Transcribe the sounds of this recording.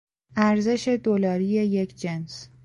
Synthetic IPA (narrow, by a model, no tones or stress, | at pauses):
æɾze̞ʃe̞d̪olɒːɾijeje̞cʰd͡ʒens